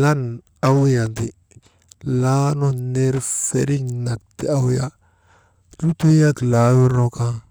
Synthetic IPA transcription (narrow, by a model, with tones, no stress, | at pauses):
la˦n | a˦wja˨nti˨ | la˦no˦ne˦ɾfḛ˦ɾi˦ɲna˨tːḭ˨a˦wja˦ | tu˦tu˦ja˦tla˨˦wi˦ɾo˦ka˦